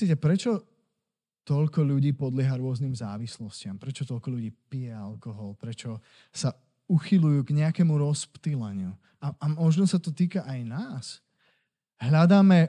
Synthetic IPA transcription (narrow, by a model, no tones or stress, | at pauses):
iːcɛpɾɛt͡ʃɔ | t̪ɔʎkɔʎuɟiːpɔd̪lɪɛɦaɾʊɔzniːmzaːʋislɔscɪampɾɛt͡ʃɔt̪ɔʎkɔʎuɟiːpijɛalkɔɦɔlpɾɛt͡ʃɔ | sa | uxilujuːɡɲɛakɛmuɾɔspt̪ilaɲɪu | aamɔʒnɔsat̪ɔt̪iːkaʔajnaːs | ɦʎad̪aːmɛ